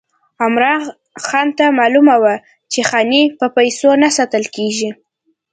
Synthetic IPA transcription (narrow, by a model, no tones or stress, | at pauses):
amɾɑ | xɑnt̪amɑlumawa | t͡ʃexɑnipəpajsonasat̪əlkeʒi